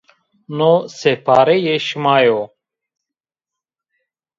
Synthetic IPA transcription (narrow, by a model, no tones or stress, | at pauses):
nosepʰaːɾɛjeʃmajo